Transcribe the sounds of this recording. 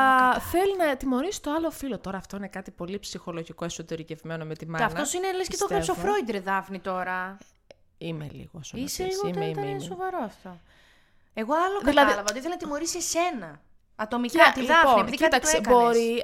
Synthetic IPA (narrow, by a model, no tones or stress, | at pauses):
θe̞linɐt̪imo̞ɾisi̥t̪oɐlo̞filo̞t̪o̞ɾɐːft̪o̞inekɐt̪ipo̞lipsixo̞lo̞ʝiko̞e̞so̞t̪e̞ɾice̞vme̞nomet̪imɐɐfnosinelesket̪ok̪ɾesofɾoid̪eɾðɐfnit̪o̞ɾɐ | imḛlḭɣosoiselisɣoit̪et̪ɐinsovɐɾoɐft̪o | eɣoɐloðkɐðilɐðiɐlɐvɐot̪iθelinɐt̪imo̞ɾisiesenɐ | ɐt̪o̞miɐt̪ilðɐfpnoieniiðicit̪ɐk̪seɐboɾi